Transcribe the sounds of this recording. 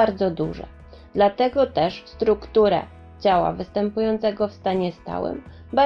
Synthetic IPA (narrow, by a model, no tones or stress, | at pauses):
aɾd̪zɔd̪uʐɛ̰ | d̪lat̪ɛɡɔt̪ɛʂst̪ɾukt̪uɾɛ̰ | d͡ʑawa̰vɘst̪ɛmpujɔnt̪sɛɡɔfst̪aɲɛst̪a̰wɘ̰m | ba